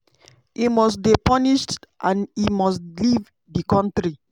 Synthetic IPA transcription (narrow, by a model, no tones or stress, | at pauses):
imɔstbipɔniʃtʔãnimɔstliv | dikɔ̃ntɹi